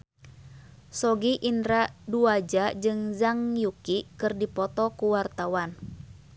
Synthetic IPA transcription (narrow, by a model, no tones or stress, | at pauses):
sɔɡiʔinɾaduad͡ʒad͡ʒɨŋzaŋjukikɨrdipɔt̪ɔkuwart̪awan